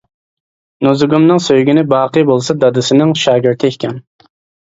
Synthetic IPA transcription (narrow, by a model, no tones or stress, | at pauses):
nuzɡumnɨŋsøjɡʲinɪbɑːqʰɨjbolˠsɑd̪ɑd̪ɨsɪnɪŋʃɑːɡʲɪɾt̪ʰɪekʲʰɛn